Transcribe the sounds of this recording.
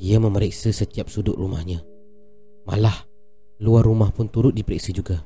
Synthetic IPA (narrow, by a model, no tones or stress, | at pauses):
ijaməməɾeksəsət̪iap̚sudʊʔruma̰hɲã | ma̰lah | luarːumahpʊnt̪uɾʊt̪̚dipəɾɛksid͡ʒuɡa